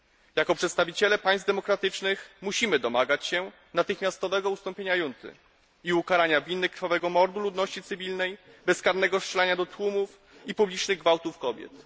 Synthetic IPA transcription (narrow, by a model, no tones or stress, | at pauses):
jakɔpʂɛt̪st̪avʲit͡ɕɛlɛpaj̃s̚d̪ɛmɔkɾat̪ɘt͡ʂnɘxmuɕimɘd̪ɔmaɡat͡ɕɕɛ | nat̪ɘxmʲast̪ɔvɛɡɔust̪ɔmpʲjeɲajunt̪ɘ̰ | iukaɾaɲavʲinːɘkɾfavɛɡɔmɔɾd̪ulud̪nɔɕt͡ɕit̪sɘvʲilnɛj | bɛskaɾnɛɡɔʂt͡ʂɛlɛɲad̪ɔt̪wumuf | ipublʲit͡ʂnɘɣɡvawt̪ufkɔbʲjɛ̰t̪